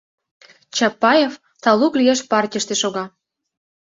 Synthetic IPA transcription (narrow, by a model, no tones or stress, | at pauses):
t͡ɕɑpːɑjef | t̪ɑluklʲijeʃpɑrtʲə̆ʃt̪eʃoɣɑ